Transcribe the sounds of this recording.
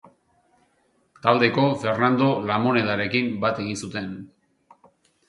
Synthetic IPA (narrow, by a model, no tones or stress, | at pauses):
t̪ald̪e̞ko̞fe̞ɾnand̪o̞lamo̞ne̞ðaɾe̞kimbat̪e̞ɣ̞insut̪e̞n